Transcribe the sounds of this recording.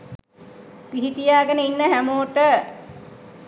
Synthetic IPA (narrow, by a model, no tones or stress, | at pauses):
piɦit̪ijaːɡənəinːəɦæmoːʈə